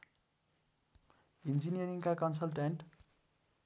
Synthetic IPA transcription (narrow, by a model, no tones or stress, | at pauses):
ind͡zinijʌɾiŋkakʌnsʌlʈeɳʈ